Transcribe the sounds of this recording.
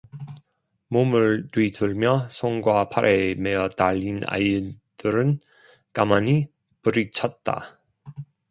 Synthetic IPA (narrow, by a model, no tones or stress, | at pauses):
momɯɭtwitɯɭmjʌsʰoŋɡwapʰaɾʔemejʌtaʎːina̰jɯd̥ɯɾɯn | kamaɲi | pɯɾit͡ɕʰʌt̚t͈a̰